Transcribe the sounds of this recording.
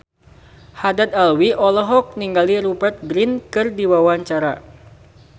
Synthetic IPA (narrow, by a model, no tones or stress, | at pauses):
hadat̪̚alwiʔɔlɔɦɔk̚niŋɡaliɾubərt̪̚ɡɾinkɨrdiwawaɲt͡ʃaɾa